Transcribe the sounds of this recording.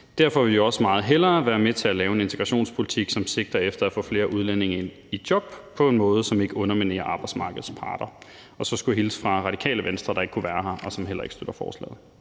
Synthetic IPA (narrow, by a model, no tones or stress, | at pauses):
d̥æɐfɒ̽ʋe̝ljo̝ɒ̽səmɑ̈ːð̞̩ˠɦel̰ɐːʋæːɐmet͡sʰe̝ælɛːʊəe̝ne̝nt͡sʰeɡ̥ʁɑ̈ɕo̝̰ːnspʰo̝lit͡sʰiɡ̥sɒ̽mse̝ɡ̥̚d̥ɐefd̥ɐæfɔ̰̽ːfle̝ːɐʔuð̞ˠlene̝ŋɐen | id̥jɒ̽b̥pʰɒ̽e̝nmɔ̽ːð̞̩ˠəsɒ̽me̝ɡ̥əɔ̽nɐmine̝̰ːɐʔɑ̈ːb̥ɑ̈ɪ̥smɑ̈ːɡ̥əð̞̩ˠspʰɑ̰̈ːd̥ɐ | ɒ̽sɒ̽sɡ̥uɦilə̥sfʁɑ̈ʁɑ̈ɾ̥ikʰɛ̰ːləʋensd̥ʁɐɾ̥ɑ̈e̝ɡ̥kʰuʋæːɐɦɑ̈ʔɒ̽sɒ̽mɦel̰ɐ̰e̝ɡ̥sd̥øɾ̥ɐfɒ̰ːslɛ̰ːð̩ˠ